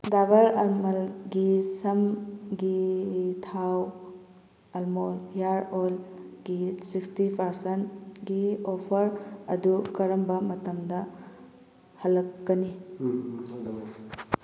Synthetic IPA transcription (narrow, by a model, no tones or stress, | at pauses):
dabɐɾɐlmɐlɡisɐmɡitʰaw | ɐlmoljaɾolɡisikstipʰɐɾsɐntɡiopʰɐɾɐdukɐɾɐmbɐmɐtɐmdɐ | hɐlːɐkːɐni